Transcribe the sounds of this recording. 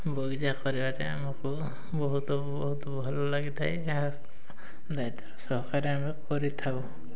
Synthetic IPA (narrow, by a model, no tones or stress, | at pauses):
boɡizakɔɾibaɾɛamaku | bɔɦut̪ɔbɔɦut̪ɔbʱɔlɔlaɡit̪ʰaj | a | d̪ajt̪ɔ̥ɾsɔɦɔkaɾɛamikɔɾit̪ʰabɔ